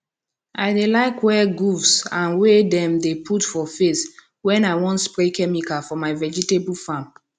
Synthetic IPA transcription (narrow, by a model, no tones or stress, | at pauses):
ʔaɪdelaɪkwɛɡufsãnwedɛ̃mdepʰutfɔfes | wɛ̃naɪwɔ̃ntspɹekʰɛmikafɔmaɪvɛd͡ʒitebulfãm